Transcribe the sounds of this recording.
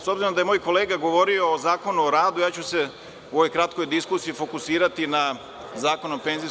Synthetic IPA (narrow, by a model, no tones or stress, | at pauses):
so̞bziɾod̪ajemojko̞leːɡaɡo̞ʋo̞ɾio̞ːzaːko̞nuoɾaːd̪ujaːt͡ɕuse̞ | uoojkɾat̪̚ko̞jd̪iskusiːfo̞kusiːɾat̪ina | zaːko̞nope̞nzi